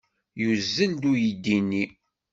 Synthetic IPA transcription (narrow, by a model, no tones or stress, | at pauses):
juzːənd̪ujid̪ːinːi